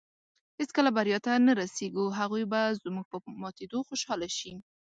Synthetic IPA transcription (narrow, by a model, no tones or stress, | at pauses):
heskəlabaɾjɑt̪anaɾaseɡuɦaɣujbazmuɡ̚pəmɑt̪ed̪oxoʃɑlaʃi